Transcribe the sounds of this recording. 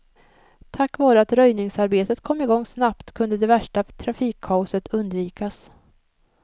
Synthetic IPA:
t̪ʰakːvɑːɾəat̪ɾœjnɪŋsaɾbeːt̪ət̪kʰɔmːɪɡɔŋːsnapt̪kʰɵnd̪əd̪ɛvæʂʈat̪ʰɾafiːkʰːaʊsət̪ʰɵnd̪viːkas

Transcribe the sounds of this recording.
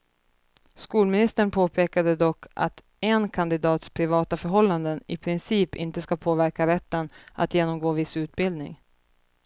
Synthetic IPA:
skuːlmɪnɪst̪əɳpʰoːpʰeːkad̪əd̪ɔkːʔa̰t̪ | ɛnkʰand̪ɪd̪ɑːt̪spʰɾɪvɑːt̪afœɾɦɔlːand̪ənɪpʰɾɪnsiːpɪ̰nt̪əskapʰoːvæɾkaɾɛt̪ːəna̰t̪jeːnɔmɡoːvɪsʉ̟ːt̪̚bɪld̪nɪ̰ŋ

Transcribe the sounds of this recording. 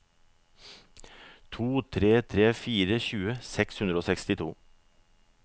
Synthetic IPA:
t̪ʰuːt̪ʰɾeːt̪ʰɾeːfiːɾəçʉːəsɛkshʉnd̪ɾəoːsɛkst̪ɪt̪ʰuː

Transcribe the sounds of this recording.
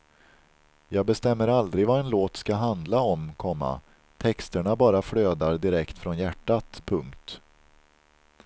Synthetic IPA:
jɑːɡ̚bɛst̪ɛmːəɾald̪ɾɪɡvaɛnloːt̪skaɦand̪laɔmkʰɔmːa̰ | t̪ʰɛkst̪əɳabɑːɾafɽøːd̪aɾɖɪɾɛkt̪fɾɔnjæʈːat̪pʰɵŋkt̪

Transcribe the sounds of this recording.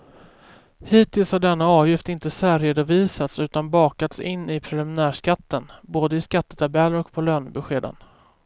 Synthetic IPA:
hiːt̪ʰɪlshaɖɛnːaɑːvjɪft̪ɪnt̪əsæːɾeːd̪ʊviːsat̪sʉ̟ːt̪anbɑːkat̪sɪnːɪpʰɾɛlɪmɪnæːʂkat̪ːənboːd̪əɪskat̪ːə̥t̪ʰabɛlːəɾɔkpʰɔløːnbɛɧeːd̪ə̰n

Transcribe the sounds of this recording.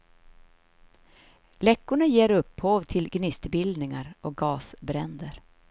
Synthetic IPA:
lɛkːʊɳajeːɾɵpːhoːvt̪ʰɪlɡnɪst̪bɪld̪nɪŋaɾɔk̚ɡɑːsbɾɛnd̪əɾ

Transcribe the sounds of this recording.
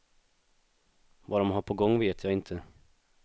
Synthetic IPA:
vaɖ̪ɔmɦaɾpʰɔɡɔŋːveːt̪ʰjaɪnt̪ʰə

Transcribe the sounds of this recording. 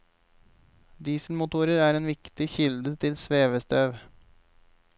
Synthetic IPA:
d̪iːsl̩mʊt̪ʰuːɾəɾæːɾeːnʋɪkt̪ɪçɪld̪ət̪ʰɪlsʋeːʋəst̪ʰøːʋ

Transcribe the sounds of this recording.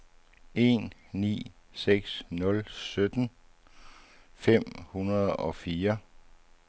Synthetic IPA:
ʔe̝̰nnḭː | seɡ̥snɔ̽lsød̥n | fem̰hunɐð̞ˠɒ̽fiːɐ

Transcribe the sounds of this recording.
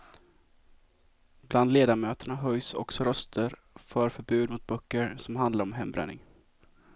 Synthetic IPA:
bland̪leːd̪amøːt̪əɳaɦœjsɔ̰ksɔɾœst̪ʰəɾ | fœɾfœɾbʉ̟ːd̪mʊt̪̚bœkːəɾsɔmɦand̪laɾɔmɦɛmːbɾɛ̰nɪ̰ŋ

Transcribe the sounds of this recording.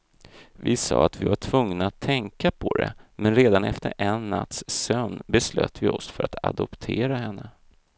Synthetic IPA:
vɪsɑ̰ːat̪vɪvaʈʰv̥ɵŋnaːt̪ʰːɛŋkapʰɔd̪ɛ̰mɛnɾeːd̪anɛft̪əɾʔɛnːa̰t̪sːœnbɛslø̰ːt̪vɪɔsfœɾat̪a̰d̪ɔpt̪ʰeːɾaɦɛnːə

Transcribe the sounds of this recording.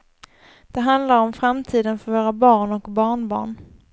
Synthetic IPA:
d̪̥ɛɦand̪laɾɔmfɾamt̪ʰiːd̪ənfœɾvoːɾabɑːɳɔkbɑːɳbɑ̰ːɳ

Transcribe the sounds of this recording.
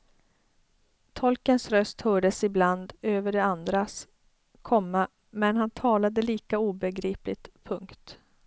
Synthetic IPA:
t̪ʰɔlkənsɾœst̪hœːɖəsɪbland̪øːvəɖɛand̪ɾas | kʰɔmːa | mɛnɦant̪ʰɑːlad̪əliːkauːbɛɡɾiːplɪt̪pʰɵŋkt̪

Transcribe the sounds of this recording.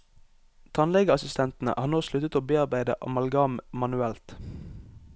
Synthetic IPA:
t̪ʰɑnlɛɡəɑsɪst̪ʰɛnt̪n̩ə̰ʔɑːʁnoːslʉt̪ət̪oːbeːɑʁbæɪd̪ə̰ʔɑ̰mɑlɡɑːmmɑnʉɛlt̪

